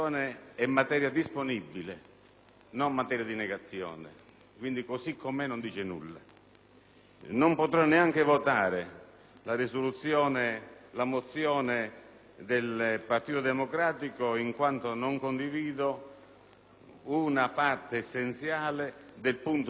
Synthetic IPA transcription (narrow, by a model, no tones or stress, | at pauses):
ɔːneɛmːat̪ɛːɾjad̪isponibːile | nomːat̪ɛːɾjad̪inɛɡat̪sːjɔ̰ːnɪ̰ | kwind̪ikosikʰːomenond̪iːt͡ʃenṵlːa̰ | nompot̪ɾanːeaŋk̟ɪvot̪aːɾe | larisolut̪sːjɔːnelamot̪sjɔːne | d̪elpart̪iːt̪od̪emokɾaːt̪ikoiŋkwant̪onoŋkond̪iviːd̪o | unapart̪eːsːent̪sjaːled̪elpunt̪